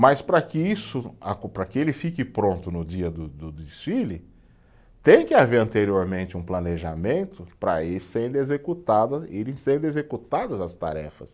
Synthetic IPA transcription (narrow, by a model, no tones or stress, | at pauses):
mɐspɾɐkɪisʊakopɾɐkɪelɪfikɪpɾõnt̪ʊnʊd͡ʒiɐd̪ʊd̪ʊd̪ɪsfilɪ | t̪ẽj̃kɪaveɾɐ̃nt̪eɾioɾmẽnt͡ʃɪũplɐneʒamẽnt̪ʊpɾɐ̰elɪsẽd̪ezekut̪ad̪ɐiɾẽj̃sẽɾd̪ezekut̪ad̪ɐzɐst̪a̰ɾɛ̰fɐ̰s